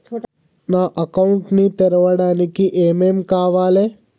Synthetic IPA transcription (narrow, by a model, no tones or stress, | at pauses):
naːʔɐkɐwɳʈnit̪ɛɾɐʋɐɽaːnikiʔeːmeːmkaːʋaːleː